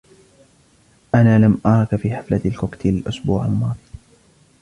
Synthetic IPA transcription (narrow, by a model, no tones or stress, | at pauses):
ʔanaːlamʔɑɾˤɑkfiːħaflalkʊkt̪ʰilʔʊsbṵːʕa̰lmɑːðˤ